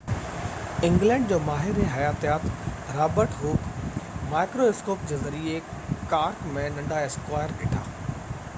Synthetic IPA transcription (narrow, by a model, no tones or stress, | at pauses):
ɪ̃ŋɡlɛ̃ːɳɖd͡ʑoːmaːɦɪɾeɦɐjaːt̪ijaːt̪ɾaːbəɾʈɦuːkmaːɪkɾoɪskoːpd͡ʑeːzɐɾiekaːɾkmẽnɐ̃ɳɖaɪskwaːjəɾkɪʈʰa̰ː